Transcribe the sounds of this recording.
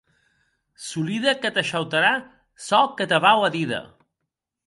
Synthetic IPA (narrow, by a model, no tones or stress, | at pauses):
suliðəkət̪əʃəwt̪əɾa | sɔkət̪əβawəðiðə̰